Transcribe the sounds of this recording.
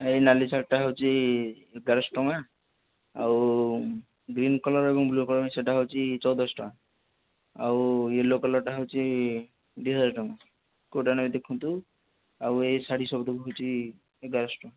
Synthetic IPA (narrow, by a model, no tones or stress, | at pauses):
enalisak̚ʈaɦɔwt͡ʃʰi | ɡaɾɔsʈɔŋa | aw | ɡɾinkɔlɔɾebɔŋblukɔlɔɾmeseʈaɦɔwt͡ʃʰit͡ʃɔwd̪ɔsʈɔŋa | awelokɔlɔɾʈaɦɔwt͡ʃʰi | d̪iɦad͡zaɾʈɔŋa | koʈanamid̪ekʰːunt̪u | awesaɽisɔbd̪ɔkuɦowt͡ʃʰi | eɡaɾɔsʈɔŋa